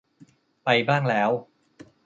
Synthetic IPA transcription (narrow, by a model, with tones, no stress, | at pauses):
pa˧jbaː˥˩ŋlɛː˦˥w